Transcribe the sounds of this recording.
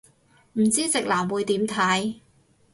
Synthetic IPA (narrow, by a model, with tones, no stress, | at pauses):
m̩˨˩t͡siː˥t͡sɪ˨k̚laː˨˩mwuː˨˧jt̪iː˨˥mt̪ʰɐ˨˥j